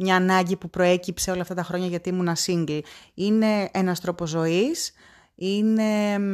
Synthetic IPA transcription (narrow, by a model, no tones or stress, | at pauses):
mɲɐːnɐɲɟipupɾo̞e̞cipseo̞lɐft̪ɐt̪ɐxɾo̞ɲɐʝɐt̪imunɐsiŋɡline̞enɐst̪ɾo̞po̞zo̞is | ine̞